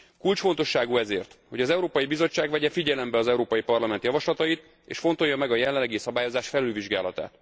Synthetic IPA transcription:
kult͡ʃfo̞nt̪o̞ʃːaːɡuɛzḛːrt̪ho̞ɟɒzɛuɾoːpɒjibizo̞t͡ʃːaːɡʋɛɟɛfiɟɛlɛmbɛɒzɛuɾoːpɒjipɒrlɒmɛnt̪jɒvɒʃlɒt̪ɒit̪ | ḛːʃfo̞nt̪o̞jːɒmɛɡɒjɛlːɛlːɛɡisɒbaːjo̞zaːʃfɛlylviʒɡa̰ːlɒt̪a̰ːt̪

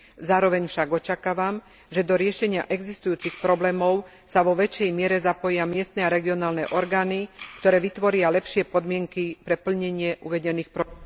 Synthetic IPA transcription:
zaːɾɔʋɛɲfʃaɡɔt͡ʃakaːʋam | ʒɛd̪ɔɾɪɛʃɛɲɪa̰ʔɛɡzist̪ujuːt͡sixpɾɔblɛːmɔʊ | saʋɔʋɛt͡ʃɛjmɪɛɾɛzapɔjɪamɪɛst̪nɛaɾɛɡiɔnaːlnɛʔɔɾɡaːnikt̪ɔɾɛːʋit̪ʋɔɾɪalɛpʃɪɛpɔd̪mɪɛŋkipɾɛpl̩ɲɛɲɪɛʔuʋɛɟɛniːxpɾɔ

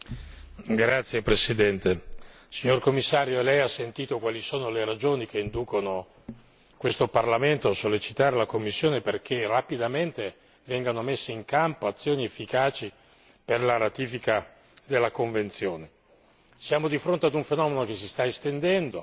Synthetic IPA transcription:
ɡɾat̪sːjepɾesid̪ɛnt̪e | siɲːorkomːisːaːɾjoelɛjasːent̪iːt̪okwaːlisoːnoleɾad͡ʒoːnik̟eind̪uːkono | kwest̪oparlament̪oasːolːet͡ʃit̪aːɾelakomːisːjoːneperk̟erapid̪ament̪e | vɛŋɡanomesːeiŋkampoat̪sːjoːniefːikaːt͡ʃi | perlaɾat̪iːfika | d̪elːakoɱvent̪sjoːne | sjaːmod̪ifɾont̪ead̪uɱfenɔːmenok̟esist̪aest̪end̪ɛnd̪o

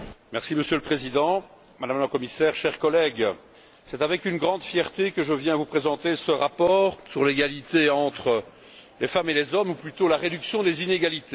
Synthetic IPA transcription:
mɛʁsiməsjøləpχezid̪ɑ̃ | mad̪amləkɔmisɛʁʃɛʁkɔlɛɡ | sɛt̪avɛkynɡʁɑ̃d̪fjɛʁt̪ekəʒəvjɛ̃vupχezɑ̃t̪esəʁapɔːʁsyʁleɡalit̪eɑ̃t̪χə | lefamelezɔmuplyt̪olaʁed̪yksjɔ̃d̪ezineɡalit̪ʰe

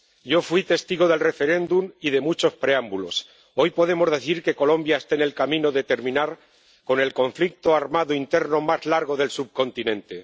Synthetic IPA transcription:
ɟ͡ʝo̞fwit̪e̞st̪iɣ̞o̞ð̞e̞lre̞fe̞ɾe̞nd̪umiðe̞mut͡ʃo̞spɾeambulo̞̰s | o̞jpo̞ðe̞mo̞zðe̞θiɾke̞ko̞lõ̞mbjaest̪ene̞lkamĩno̞ðe̞t̪e̞ɾmĩnaɾ | ko̞ne̞lko̞ɱflik̚t̪oaɾmaðoint̪e̞ɾno̞mazlaɾɣ̞o̞ðe̞lsub̚ko̞nt̪inẽ̞nt̪e̞

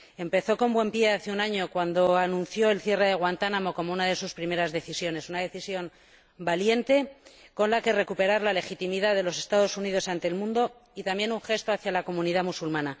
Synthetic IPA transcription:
e̞mpe̞θo̞ko̞mbwe̞mpje̞aθeunaɲo̞kwand̪o̞anũn̟θjo̞elθje̞re̞ðe̞ɣ̞want̪anamo̞ko̞mounaðe̞suspɾime̞ɾazðe̞θisjo̞ne̞sunaðe̞θisjo̞n | balje̞nt̪e̞ko̞nlake̞re̞kupe̞ɾaɾlale̞xit̪imiðaðe̞lo̞se̞st̪aðo̞sunið̞o̞sant̪e̞ːlmũnd̪o̞ | it̪ambje̞nuŋxe̞st̪o̞aθjalako̞mũniðamusulmãna

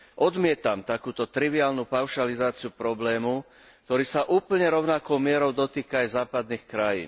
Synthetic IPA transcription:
ʔɔd̪mɪɛt̪amt̪akuːt̪ɔt̪ɾiʋiaːlnupaʊʃalizaːt͡sɪupɾɔblɛːmu | k̚t̪ɔɾiːsaʔuːpl̩ɲɛɾɔʊnakɔʊmɪɛɾɔʊd̪ɔt̪iːkaːjzaːpad̪niːxkɾajḭːn

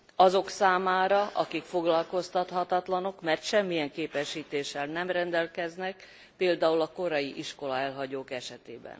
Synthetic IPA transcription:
ɒzo̞ksaːmaːɾɒʔɒkikfo̞ɡlɒlko̞st̪ɒt̪hɒt̪ɒt̪lɒno̞kmɛrt̪ʃɛmːijɛŋkeːpɛʃːiːt̪eːʃɛlnɛmrɛnd̪ɛlkɛznɛk | peːld̪aːulɒko̞ɾɒjiʔiʃko̞lɒɛlɦɒɟoːkɛʃɛt̪ḛːbɛ̰n

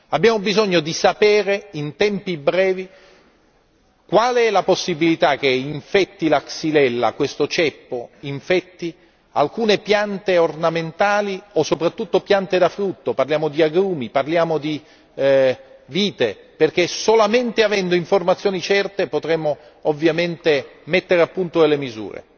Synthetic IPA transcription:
abjaːmobizoɲːod̪isapɛːɾeint̪ɛmpibɾɛːvi | kwaːleɛlaposːibilit̪ak̟ːeiɱfɛt̪ːilaksilɛlːa̰kwest̪ot͡ʃɛpːoiɱfɛt̪ːi | a̰lkuːnepjant̪eornament̪aːliosːopɾat̪ːut̪ːopjant̪ed̪afɾut̪ːoparljaːmod̪iaɡɾuːmiparljaːmod̪i | viːt̪e | perk̟esolament̪eavɛnd̪oiɱformat̪sjoːnit͡ʃɛrt̪epot̪ɾɛmːo | ovːjament̪emet̪ːeɾeapːunt̪od̪elːemizṵːɾḛ

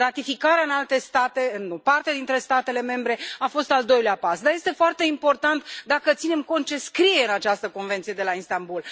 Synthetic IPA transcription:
rat̪ifikaɾeaɨnalt̪e̞st̪at̪e̞ɨnːupart̪ead̪int̪ɾe̞st̪at̪e̞le̞me̞mbɾe̞afo̞st̪ald̪o̞jleapasd̪aje̞st̪efoart̪e̞impo̞rt̪ant̪d̪akət̪sine̞mko̞nt̪̚t͡ʃe̞skɾije̞ɨnat͡ʃast̪əko̞nve̞nt̪sije̞d̪elainst̪ambul

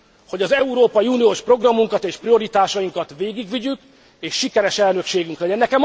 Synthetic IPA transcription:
ho̞ɟɒzɛuɾoːpɒjiunioːʃpro̞ɡrɒmːuŋkɒt̪eːʃprio̞ɾit̪aːʃɒjiŋkɒt̪ʋeːɡiɡʋiɟyk | eːʃːikɛɾɛʃɛlnø̞kʃeːɡyŋklɛɟɛnːɛkɛm

